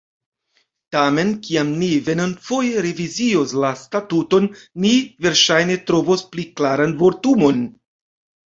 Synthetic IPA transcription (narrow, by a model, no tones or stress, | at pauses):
tame̞nkiamnive̞nonfo̞jeɾevizio̞slastatuto̞nːive̞ɾʃajne̞tɾo̞vospliklaɾanvo̞ɾtumo̞n